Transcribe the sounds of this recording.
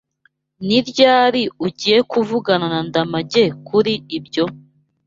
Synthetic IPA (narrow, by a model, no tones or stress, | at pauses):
niɾɟaːɾiuɟiːje̞kuvuɡananandamaɟe̞kʰuɾiibɟo̞